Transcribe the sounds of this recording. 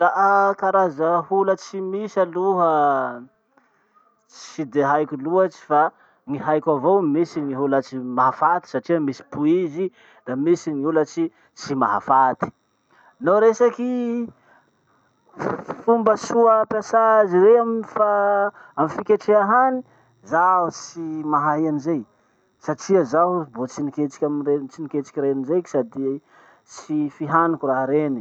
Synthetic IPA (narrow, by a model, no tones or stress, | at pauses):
raɦakaɾazəhulət͡simisaluɦə | t͡sid̪eɦajkʲuluat͡ʃi̥fa | niɦajkʲavowmisiniɦulat͡simaɦafat̪i̥saʈ͡ʂiəmisi̥puizi | d̪amisiniulət͡si | t͡sima̰ɦa̰fat̪i̥ | noɾesaki | fumbəsuəpjasaziɾeamifaamifikʲeʈ͡ʂeaɦani | zaɦut͡simaɦaɦianizej | saʈ͡ʂiəzaɦubot͡siniket͡si̥kʲamret͡sinikʲet͡si̥kʲiɾenizeki̥sad̪i | sifiɦanukʲuraɦɾeni